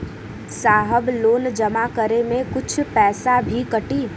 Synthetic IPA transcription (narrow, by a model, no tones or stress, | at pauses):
saːɦəbloːnd͡ʒɐmakəɾemẽkʊt͡ʃʰpɛːsabʱikɐʈiː